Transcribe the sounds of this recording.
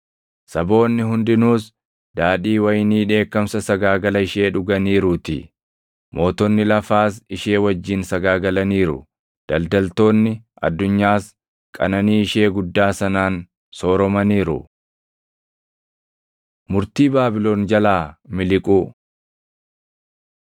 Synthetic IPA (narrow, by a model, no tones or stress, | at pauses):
sɐbo̞ːnːɪɦʊnd̪ɪnuːs | d̪aːᶑiːwɐjɪniːᶑe̞ːkːɐmsɐsɐɡaːɡɐlɐɪʃe̞ːᶑʊɡɐniːɾʊːt̪ɪ̰ | mʔo̞ːt̪ɔnːɪlɐfaːsɪʃe̞ːwɐd͡ʒːɪnsɐɡaːɡɐlɐniːɾʊ̰ | d̪̥ɐld̪ɐlt̪o̞ːnːɪʔɐ̰d̪ːʊɲːaːs | kʼɐ̰nɐniːɪʃe̞ːɡʊd̪ːaːsɐnaːn | soːɾɔmɐniːɾʊ̰ | mʊɾt̪iːbaːbɪlo̞ːnd͡ʒɐlaːmɪlɪkʼu